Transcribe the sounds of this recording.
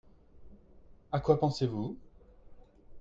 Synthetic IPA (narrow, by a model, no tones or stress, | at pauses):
akwapɑ̃sevu